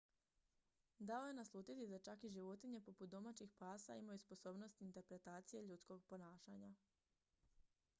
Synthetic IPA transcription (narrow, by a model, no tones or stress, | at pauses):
d̪aojenaslˠuːt̪it̪id̪at͡ʃakiʒiʋo̞t̪iɲe̞po̞put̪̚d̪o̞mat͡ɕixpaːsa̰imajuspo̞so̞ːbno̞st̪int̪e̞ɾpɾe̞t̪aːt̪sije̞ʎut̪sko̞ɡpo̞naːʃaɲa